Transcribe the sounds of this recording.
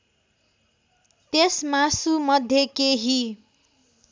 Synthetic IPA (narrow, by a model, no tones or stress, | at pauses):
t̪esmasumʌd̪ʱjekeɦi